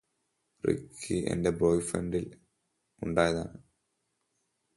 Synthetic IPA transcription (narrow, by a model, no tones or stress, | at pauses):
rḭkʰːiḛndebojfɐɳɖil | uɳɖaːjɐða̰ːɳɨ